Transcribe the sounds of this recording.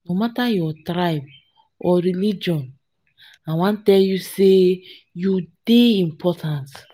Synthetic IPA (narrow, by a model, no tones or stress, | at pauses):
nomatajɔtɾajb̚ | ɔɾilid͡ʒɔ̃n | ãwãntɛljuse | judeĩmpʰɔtʰãnt